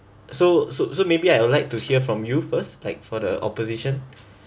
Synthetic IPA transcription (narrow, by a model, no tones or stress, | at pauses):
sososomebiajwulaɪk̚tuhiəfɹɔ̃mjufəstlaɪk̚fɔdə̰ʔɔ̰poziʃə̃n